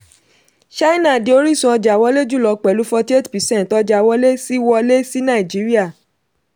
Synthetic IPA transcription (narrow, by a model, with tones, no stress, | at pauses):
ʃa˦i˦nã˦˨di˨˧˦o˦ɾi˦˨sũ˧˦ɔ˧d͡ʒa˨wɔ˦le˦d͡ʒu˦˨lɔ˨k͡pɛ˨lu˦fɔ˧ti˦e˦ti̥˨pi˨sɛ̃˦n˨tɔ˧d͡ʒa˧˨wɔ˦le˦si˦wɔ˧le˦si˦nã˦˨i˨d͡ʒi˨˦ɾi˦a˦˨